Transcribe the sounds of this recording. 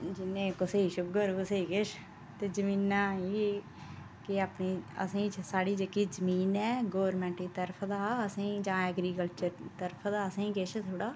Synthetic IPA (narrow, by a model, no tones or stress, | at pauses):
d͡ʒɪnẽːkʊseiːʃʊbkəɾuːseiːkɪʃ | t̪eːd͡ʒəmiːnãːiː | kɪaːpniːə̰sĩːsaːɽiːd͡ʒekiːd͡ʒəmiːnɛːɡoːɾmɛ̃ːɳʈiːt̪əɾpʰd̪aːəsĩːd͡ʒãːɛːɡɾiːkəlt͡ʃəɾt̪əɾpʰd̪aːəsĩːkeʃt̪ʰoːɽaː